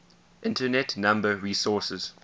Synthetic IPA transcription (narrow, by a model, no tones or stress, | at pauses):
ʔɪ̃ntənɛtnãmbəɹiːsɔˑsəz̥